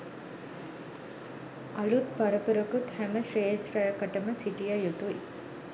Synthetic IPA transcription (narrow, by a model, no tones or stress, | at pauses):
ɐlut̪pɐɾɐpuɾɐkut̪hæməʃɾeːsɾɐjɐkɐʈɐməsiʈijɐjut̪uj